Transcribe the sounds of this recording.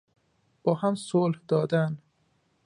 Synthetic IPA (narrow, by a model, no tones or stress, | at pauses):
b̥ɒːhæmsolhd̪ɒːd̪æn